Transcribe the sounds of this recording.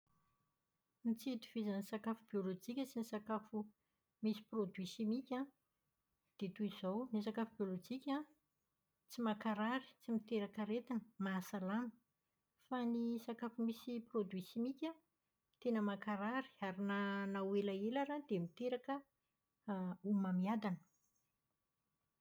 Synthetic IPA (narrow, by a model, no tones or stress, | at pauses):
nit͡sit̪u̥v̥izanisakafubiolod͡ʒikʲət͡sinisakafu | misi̥prod̪wisimikʲã | d̪̥et̪uizownis̬akafubiolod͡ʒikʲã | t͡simakaɾaɾi̥t͡simit̪eɾakəɾet̪anə̥masalamə̥ | fanisakafumisiprod̪wisimikʲa | t̪enəmakaɾaɾi̥aɾinanawelaelaɾad̪emit̪eɾakə | umamiad̪anə̥